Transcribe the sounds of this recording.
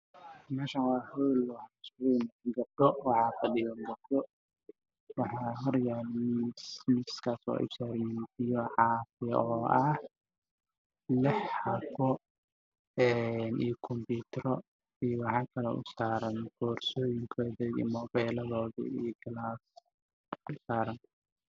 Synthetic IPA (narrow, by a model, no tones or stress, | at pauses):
mɛːʃanwɑːhulwɑħɑsnɡɐb̚dɔwɑħɑːfɐɗɪjɐŋɡɐbd̪ɔ | wɑħɑːɦɐɾjanmismɪskʰaːsɔ̰ːʔɛ̰saːɾmɪnt̪ɪjɔʕɑːfɪjɔːʔɐh | lɪħɑfɔ | ɛnʔijkʰɔmpiːt̪ʰɾɔ | ijwɑħɑːkʰɐlɛ̰ʔʊ̰saːɾɐnɡ̥ɔːrsɔːjɪŋkʰɔːðɛḭmɔːbɛːlɐðɔːðḭijɡʰɐlas | ʊsaːɾɐn